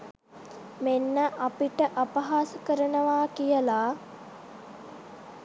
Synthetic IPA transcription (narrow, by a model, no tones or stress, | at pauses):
menːəʔapiʈəʔapɐɦaːsəkəɾənəʋaːkijəlaː